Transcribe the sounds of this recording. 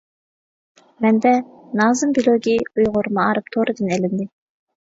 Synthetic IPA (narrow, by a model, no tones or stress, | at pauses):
mɛnd̪ɛ | nɑːzɨmbilˠoɡʲiujʁʊɾmɑɑɾɨp̚t̪ʰoɾɨd̪ɨnɛlɪnd̪ɪ